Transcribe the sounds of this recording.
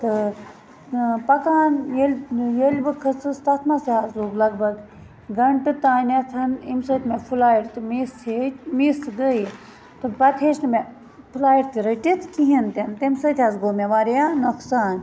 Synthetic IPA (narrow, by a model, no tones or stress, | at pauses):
t̪ɨ | pɐkaːnjelʲjelʲbɨkʰɐt͡sɨst̪ɐt̪ʰmasiaːzloːɡlɐɡ̚bɐɡ | ɡɐɳʈɨt̪aːnʲat͡s̪ʰɐnimsɐt̪ʰʲmepʰulaːjiɾt̪imiset͡ʃʲmisɡəj | t̪ɨpɐt̪ʰeːʃnɨme | pʰulaːjiɾt̪iɾɐʈit̪ʰkiɦint̪ent̪emsɐt̪ʰʲazɡoːmʲeʋaːɾjanoksaːn